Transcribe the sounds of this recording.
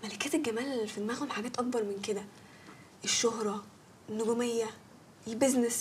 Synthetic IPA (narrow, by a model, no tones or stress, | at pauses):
mælækæːt̪elɡæmæːlfid̪mæɣulħaɡæːt̪ʔɑk̚bɑɾˤmenked̪æ | ʔeʃːoɦɾˤɑ | enːoɡomejːæ | elbeznes